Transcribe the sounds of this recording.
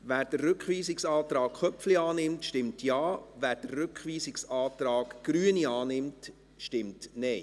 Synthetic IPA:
ʋæːɾd̥ərɾʏkχʋiːsɪksɑːt̪ɾɑːkχœpfliɑːnɪmtʃtɪmtʰjɑːʋæːɾd̥ərːʏkχʋiːsɪksɑːtɾɑːkɡ̥ɾyːəniɑːnɪmt | ʃtɪmtnɛj

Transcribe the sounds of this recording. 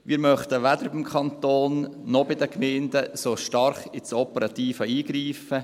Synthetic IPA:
ʋiːɾmœχt̪əʋæd̪əɾbɪmkʰχɑnt̪oːnːɔbɪd̪əkmɛɪndəsoʃtɑɾχɪt͡sɔpəɾɑt̪iːfəiːɡ̥ɾiːfə

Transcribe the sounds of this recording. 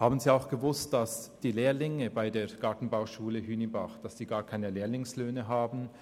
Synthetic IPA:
haːbn̩ziːaʊxɡ̥əvʊst̚d̥asd̥iːleːɐlɪŋəbaɪdeːɐɡ̥aɐtn̩baʊʃuːləɦyːnibaχd̥asd̥iːɡaːɐkʰaɪnəleːɐlɪŋsløːnəɦaːbn̩

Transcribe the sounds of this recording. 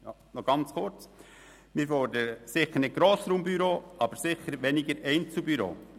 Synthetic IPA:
jɑ | nɔɡ̥ɑnt͡sχʊrt͡s | mɪɾfɔɾd̪əɾəsɪχəɾnɪɡ̥ɾoːsɾuːmbyɾoːʔɑb̥əɾsɪχəɾʋɛnɪɡəɾɛɪnt͡subyɾo̰ː

